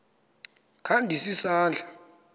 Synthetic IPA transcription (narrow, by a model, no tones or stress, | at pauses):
kʰandʱisisaːnd͡ɮʱḁ